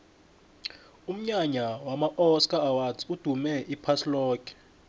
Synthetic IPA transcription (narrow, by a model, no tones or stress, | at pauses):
um̩ɲaɲawamaʔɔskʼaːwazʼud̥ʱumɛipʰaslɔːkɛ̥